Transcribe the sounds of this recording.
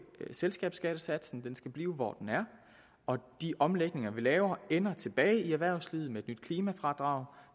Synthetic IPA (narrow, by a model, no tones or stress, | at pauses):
selsɡ̥ɛ̰ːb̥sɡ̥ɛːd̥əsæd̥sn̩d̥ensɡ̥æb̥liːʊʋɒ̰d̥enæɐ | ɒ̽d̥iʔɒ̽mleɡ̥ne̝ŋɐʋilɛːʊɐenɐt͡sʰe̝b̥ɛːɪiæʋæɐʊslið̩ˠmeed̥nyd̥̚kʰliːmæfʁɑ̈d̥ʁɑ̈ʊ